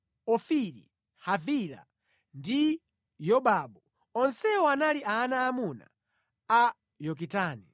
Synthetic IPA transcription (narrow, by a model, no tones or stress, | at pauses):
ɔfiɾḭ | havila̰ | ndi | jɔɓabu | ɔnsɛɔanaliʔaːnaːmuna̰ | a | jɔk̬itaːni